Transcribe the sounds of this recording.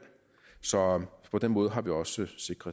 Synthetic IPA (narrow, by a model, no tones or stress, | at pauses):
sɒ̽pʰɒ̽d̥enmɔ̽ːð̞̩ˠɦɑ̈ʋiɒ̽səse̝ɡ̥ʁɐ